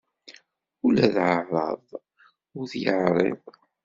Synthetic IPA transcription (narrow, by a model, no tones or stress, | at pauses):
ulæðʕərˤːɑ̰ðˤ | ʊɾθjəʕɾˤɪ̰v